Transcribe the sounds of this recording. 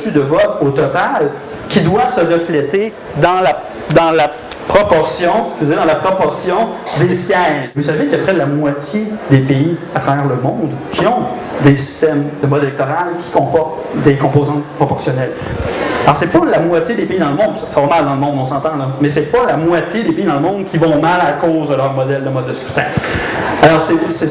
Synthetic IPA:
syd̪əvɔot̪ɔt̪al | kʲid̪wasəʁəflɛt̪e | d̪ɑ̃la | d̪ɑ̃la | pχɔpɔʁsjɔ̃skzized̪ɑ̃lapχɔpɔʁsjɔ̃d̪esjɛvusavekappʁɛlamwat͡sjed̪epei | at̪χavɛːʁləmɔ̃d̪kʲʰiɔ̃ | d̪esi̥st̪ɛmd̪əmɔd̪elɛk̚t̪ɔʁalkʲʰi̥kɔ̃pɔʁt̪ | d̪ekɔ̃poːzɑ̃t̪̚pχɔpɔʁsjɔnɛl | lɔʁsɛpʌlamwatjed̪epeid̪ɑ̃ləmɔ̃d̪ssavɔmald̪ɑ̃ləmɔ̃d̪ɔ̃sɑ̃t̪ɑ̃lʌmɛsɛpʌlamwat͡sjed̪epeid̪ɑ̃ləmɔ̃d̪kʲivɔ̃malakozd̪əlœʁmɔd̪ɛld̪əmɔd̪ːəskʁy̥t̪ɛ̃ | alɔːʁsɛsɛ

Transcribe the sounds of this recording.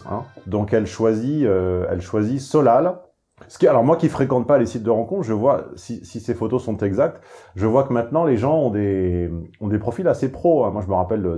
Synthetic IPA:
ɛ̰̃d̪ɔ̃kɛlʃwaziøɛ̰lʃwazisɔlal | sə̥kʲialɔʁmwakʲifχekɑ̃t̪̚palesit̪̚d̪əʁɑ̃kɔ̃t̪χʒəvwasisisefot̪osɔ̃t̪ɛɡzak̚t̪ʒəvwakəmɛ̃t̪nɑ̃leʒɑ̃ɔ̃d̪e | ɔ̃d̪epχɔfilasepχoɛ̃mwaʒəməʁapɛlə

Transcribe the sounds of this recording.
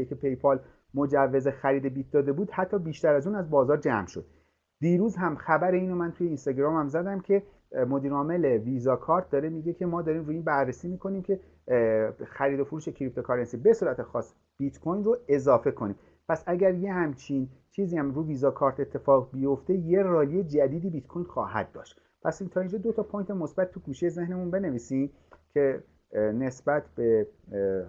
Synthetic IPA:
ekʰepʰe̞jpʰɒl | mo̞d͡ʒævːe̞zexæɾiːd̪e̞bit̪̚d̪ɒːd̪e̞buːd̪̥hæt̪ʰːɒːbiːʃt̪æɾæzuːnæzbɒːzɒːɾd͡ʒæmʃo̞̰d̪̥̚ | d̪̥iːɾuːzɦæmxæbæɾe̞iːno̞mænt̪ʰuje̞inst̪ɒɟɾɒːmæmzæd̪æmcʰe̞ | mo̞d̪iːɾɒːme̞le̞vizɒkʰɒːɾt̪̚ʰd̪ɒːɾe̞miɡe̞cʰe̞mɒːd̪ɒːɾiːmɾuːjiːnbæɾːesiːmiːkʰo̞niːmcʲʰe̞ | xæɾiːd̪o̞fuɾuːʃe̞cʰɾip̚t̪ʰo̞kʰɒɾensibe̞suːɾæt̪ʰexɒ̰ːs | b̥it̪kʰojnroe̞zɒːfe̞kʰo̞niːm | pʰæsæɟʲæɾje̞hæmt͡ʃʰint͡ʃʰiːziːæmɾuːviːzɒkʰɒːɾt̪ʰe̞t̪ʰːe̞fɒːʁbijo̞ft̪e̞je̞rɒːlied͡ʒæd̪iːd̪iːbit̪kʰojnxɒ̰ːhæ̰d̪̚d̪ɒ̰ːʃt̪ | pʰæsint̪ʰɒːind͡ʒɒːd̪o̞t̪ʰɒpʰojnt̪ʰe̞mo̞sbæt̪ʰːuɡuːʃejeze̞hne̞munbe̞ne̞viːsiːm | cʲʰe̞ | ne̞sbæt̪ʰb̥e̞

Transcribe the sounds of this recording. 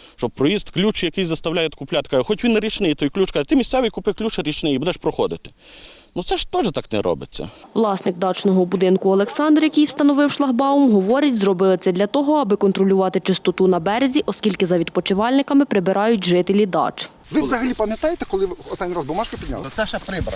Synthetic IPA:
ʃt͡ʃɔb̚pɾɔjist̪ʲklʲut͡ʃjɐkɪjzɐst̪ɐwlʲajɛt̪ʲkʊplʲat̪kɑjxɔtʲʋʲinːɐɾʲit͡ʃnɪjt̪ɔjklʲut͡ʃkɑt̪ɪmʲisʲsɛʋɪjkʊpɪklʲut͡ʃɐɾʲit͡ʃnɪjibud̪ɛʃpɾɔxɔd̪ɪt̪ɪ̥ | nutsɛʃt̪ɔʒɛt̪ɑknɛ̰ɾɔ̰bɪ̰t͡sʲːɐ̰ʋlˠɑsnɪkd̪ɑt͡ʃnɔɦɔbʊd̪ɪnkʊɐlˠeksɑnd̪ɾrjɐkijwst̪ɐnɔʋɪwʃlˠɐɦbɑʊmɦɔʋɔɾʲɐtʲzɾɔbɪlˠɪt͡sʲɛd̪lʲɐt̪ɔɦɔɐbɪkɔnt̪ɾɔlʲʊʋɑt̪ɪt͡ʃɪst̪ɔt̪unɐbɛɾezʲiʔɔskʲilʲkɪzɐʋʲid̪pɔt͡ʃɪʋɑlʲnɪkɐmɪpɾɪbɪɾʔɑjʊtʲʒɪt̪elʲid̪ɑ̰t͡ʃ | ʋɪʋzɐɦɐlʲipɐmʲjɐt̪ɑjet̪ɛkɔlˠɪst̪anʲːiɾazbʊmɑʃkɪpʲid̪ʲn̰ʲlˠsɛʃɛpɾɪbɾɐ

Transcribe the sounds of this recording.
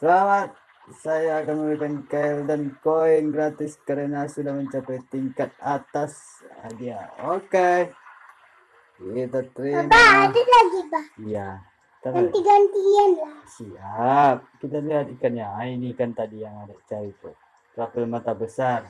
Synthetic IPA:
səlamat̪̚ | sajaːkanməmɾikankajldankoiŋɡɾat̪ɪskaɾənasudahməɲt͡ʃapajt̪iŋkat̪̚at̪as | a̰diaoke | it̪at̪ɾiamadilaɡibahja | t̪aant̪iɡant̪ianlasiap̚kit̪aliɦat̪̚ikanjaainikant̪adijaŋadait͡ʃaɾit̪u | t̪afilmat̪abəsar

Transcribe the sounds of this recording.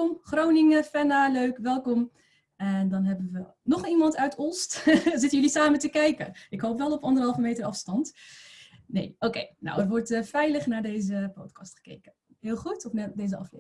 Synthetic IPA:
ɔmχrownɪŋəfɛnaːløɥkʋɛlˠkɔm | ɛndɑnɦɛbənʋə | nɔχimɑntœɥtʰostzɪtənjɵlisaːməntəkɛjkənʔɪkɦowpʋɛlˠɔpɑndərɦɑlˠvəmejtərɑfstɑnt | nḛjʔowkḛjno̰wərʋɔɹtfɛjləχnaːɹdejzəpotkɑstχə̥kḛjkə | ɦɪːlˠχutɔfnɛdejzəɑ̰flḛ

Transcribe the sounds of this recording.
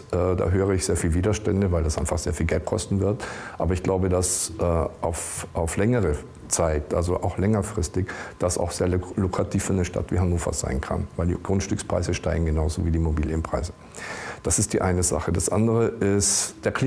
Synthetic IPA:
ʔɛːd̥a̰ːɦøːʁ̞əɪçz̥eːɐfiːlviːdɐʃtɛndəvaɪldasʔaɪnfaχz̥eːɐfiːlɡɛlt̚kʰɔ̰stn̩vɪɐtʔa̰ːbɐɪçɡ̥laʊbədasʔɛːʔaʊfʔaʊflɛŋəʁə | t͡saɪtʔalzoʔaʊxlɛŋɐfʁ̥ɪstɪçd̥asa̰ʊxz̥eːɐlokʁ̥atʰiːfɪːɐnəʃta̰tv̥iːɦanoːfɐ̰z̥a̰ɪnkʰa̰nvaɪldḭɡ̥ʁʊntʃtʏkspʁ̥a̰ɪzəʃta̰ɪɡŋ̩ɡənaʊzo̰viːdiːmobiːlʔempʁ̥a̰ɪzə | d̥asɪst̚d̥iːʔaɪnəza̰χədasʔa̰ndəʁəʔɪstd̥eːɐkʰli

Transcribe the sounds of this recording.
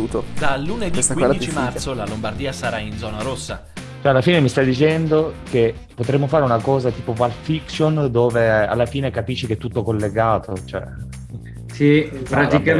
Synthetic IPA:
ut̪od̪alːuːneesakwizdit͡ʃimartsolalombard̪iːasaɾaind̪zɔːnaɾosːa | t͡ʃoɛalːafiːnemist̪ajd̪it͡ʃɛnd̪oke | pot̪ɾemːofaːɾeunakɔːzat̪iːpovalfiksjond̪oːvea̰lːafiːnekapiʃːikeɛt̪ːut̪ːokolːeɡaːt̪ot͡ʃoɛ̰ | sipɾat̪ika

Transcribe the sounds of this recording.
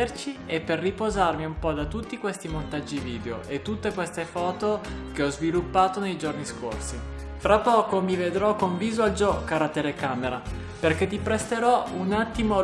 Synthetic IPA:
ert͡ʃiepːerːipozarmiumpɔd̪at̪ːut̪ːikwest̪imont̪ad͡ʒːiviːd̪eoʔet̪ːut̪ːekwest̪efɔːt̪okeɔzvilupːaːt̪onejd͡ʒorniskorsi | fɾapːɔːkomived̪ɾɔkːoɱviːzoald͡ʒɔkaɾat̪elekaːmeɾa | perk̟et̪ːipɾest̪eɾɔunat̪ːimo

